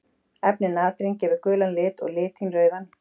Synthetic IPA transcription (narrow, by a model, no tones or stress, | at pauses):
ɛpnɪnaːt̪ɾincɛːvʏɾkʏːlanlɪːt̪ɔ̰ɣlɪːt̪ʰinrœːɥðan